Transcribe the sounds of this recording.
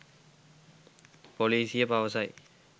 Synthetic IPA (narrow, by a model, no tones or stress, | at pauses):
poliːsɪjɐpaʋɐsaːj